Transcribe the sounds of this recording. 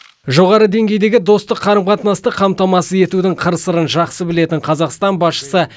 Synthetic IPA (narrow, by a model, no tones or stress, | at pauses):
ʒo̞ʁɑɾəd̪e̞ŋɡʲe̞jd̪e̞ɡʲɪd̪o̞st̪əqʰːɑɾəmqʰɑt̪nɑst̪əqʰːɑmt̪ɑmɑsəe̞t̪ud̪ɪŋqʰəɾəsəɾənʒɑqsəbɪle̞t̪ɪɴqʰɑzɑqst̪ɑnbɑsʃə̥sə